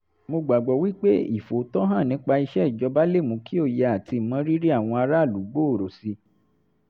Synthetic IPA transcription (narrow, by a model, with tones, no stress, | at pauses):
mo˧ɡ͡ba˨ɡ͡bɔ˨wi˦k͡pe˦ḭ˦˨fo˨˦tɔ˦ɦã˦˨nĩ˨˦k͡pa˧i˧ʃɛ˦i˨d͡ʒɔ˧ba˦le˦˨mũ˨˧˦ki˦o˦˨jɛ˧˦a˨ti˧˨mã˨˦ɾi˦ɾi˦a˦˨w̃ɔ̃˧a˧ɾa˦˨lu˨˦ɡ͡bo˦o˨ɾo˨si˧